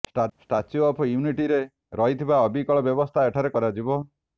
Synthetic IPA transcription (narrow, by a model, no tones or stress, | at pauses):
sʈsʈat͡ʃiɔpʰjuuniʈiɾe | ɾɔɦit̪ʰibaɔbikɔɭɔbjɔbɔst̪ʰaeʈʰaɾekɔɾad͡ʒibɔ